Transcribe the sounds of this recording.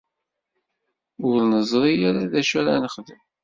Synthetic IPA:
ʊlnəzˤɾˤijaɾaðæʃæɾanəχðəm

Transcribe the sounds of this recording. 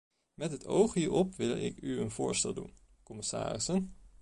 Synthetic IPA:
mɛtɦəto̰wχɦiːɹɔpʋɪlˠɪ̰kyənvʊːɹstɛlˠdṵn | kɔmɪsa̰ːrɪsən

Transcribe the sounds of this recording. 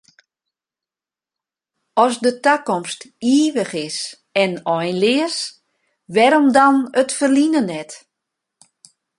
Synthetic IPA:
ɔsdətakɔmstiːʋəχɪs | ɛnɔjnlɪəs | ʋɛɾomdɔnətfərlinənɛt

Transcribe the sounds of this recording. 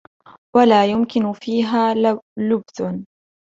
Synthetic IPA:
walaːjʊmkɪnʊfiːɦaːlʊbθʊ

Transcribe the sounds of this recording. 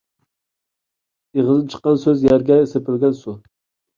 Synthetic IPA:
eʁəzɨp̚t͡ʃʰə̥qːɑnsøzjæɾɡʲɛsepʰɪlɡʲɛnsu

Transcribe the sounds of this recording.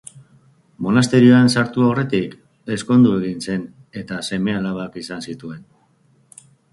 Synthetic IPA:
mo̞nast̪e̞ɾioansaɾt̪uaore̞t̪ik | e̞sko̞nd̪ue̞ɣ̞inse̞n | e̞t̪ase̞me̞alaβ̞akisansit̪ue̞n

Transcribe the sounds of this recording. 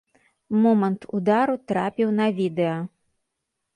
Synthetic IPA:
mɔmɐnt̪ud̪aɾut̪ɾapʲiwnɐvʲid̪ɛjɐ

